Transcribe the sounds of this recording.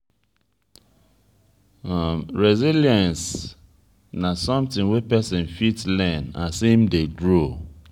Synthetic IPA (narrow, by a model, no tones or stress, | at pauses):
ɹɛziljãns | nasɔ̃mtĩŋwepɛsĩnfitslɛ̃nasimdeɡɹo